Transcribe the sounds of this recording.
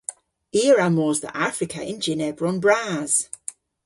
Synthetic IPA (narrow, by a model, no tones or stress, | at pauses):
iɹamɔːzðə̰ʔafɹɪkʰə̰ʔɪ̃nd͡ʒɪnɛbɹɔ̃nbɹaːz̥